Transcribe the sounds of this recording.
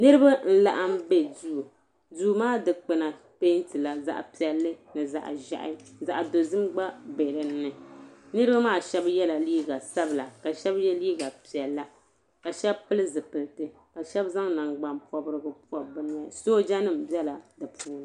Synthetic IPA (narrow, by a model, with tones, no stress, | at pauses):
nɨ˦ɾɨ˦ba˦n̩˦la̰˨ʔa˦mbe˦du˦˨ | duː˦maː˦˨dɨ˨k͡pɨ˨na˨ | pe˦ntɨ˨la˨za̰˨ʔpi˨ɛ˨lːɨ˦nɨ˨za̰˨ʔa̰˨ʒa̰˦ʔɪ̰˦za˨ʔa˨do˨zɨ˦mɡ͡ba˦be˨ɾɨ˨nː˦ɨ˨nɨ˦ɾɨ˦ba˦maː˦˨ʃɛ˦bjɛ˦la˨liː˦ɡa˨sa˦bɨ˨la˨ka˨ʃɛ˦bjɛ˦liː˦ɡa˨pi˨ɛ˨lːa˦ | ka˨ʃɛ˦bpɨ˦lɨ˦zɨ˨pɨ˨lɨ˨tɨ˨ | ka˨ʃɛ˦bza˦ŋna˨ŋɡ͡ba˨mpɔ˨˦bɨ˦ɾɨ˦ɡɨ˦pu˦a˨bɨ˦n˦a˦soː˦d͡ʒa˦nɨ˦m̩˨bjɛ˦la˨dɨ˨pʰuː˦n˨